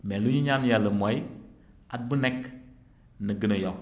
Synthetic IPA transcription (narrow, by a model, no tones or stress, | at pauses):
meluɲuɲanjaləmoj | at̚bunek | nəɡənojo